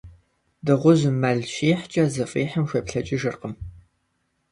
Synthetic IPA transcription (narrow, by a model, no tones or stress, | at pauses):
dɨʁʷʊʑmɐɮɕiːħt͡ʃʼɐzɨfʼiːħəmʃʷɐpɬɐt͡ʃʼɪʒɨrqəm